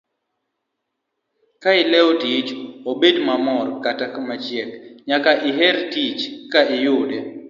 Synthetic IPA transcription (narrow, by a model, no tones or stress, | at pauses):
kaɪlɛɔtit͡ʃobedmamɔrkatakamat͡ʃjɛkɲakaʔɪɦɛɾtit͡ʃkaɪjʊdɛ